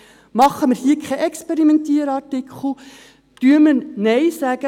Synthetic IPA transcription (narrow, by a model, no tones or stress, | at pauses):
mɑχːəmərhiəkʰχɛʔɛkspɛɾimɛntiːəɾɑrtɪkχl̩ | tyəməɾneɪsæɡə